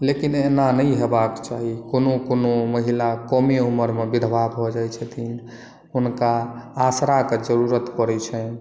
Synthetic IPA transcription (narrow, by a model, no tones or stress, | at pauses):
lekinenanəjɦebakt͡ʃaɦikonokonoməɦilakomeuməɾmebid̪ʱbabʱod͡ʒajt͡ʃʰət̪ʰin | ɦunkaːsɾaked͡ʒəɾuɾət̪pəɾɛt͡ʃʰɛ